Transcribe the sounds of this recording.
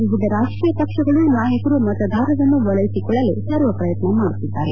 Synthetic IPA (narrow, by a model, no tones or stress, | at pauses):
ʋiʋid̪ʱɐɾaːʂʈɾiːjɐpɐkʂɐɡɐɭumaːɦɐkɐɾumɐt̪ɐd̪ʱaːɾɐʋɐnːuʋɐɭɐjisikɔɭːɐlesɐɾʋɐpɾɐjɐt̪nɐmaːɽut̪ːid̪ːaːɾe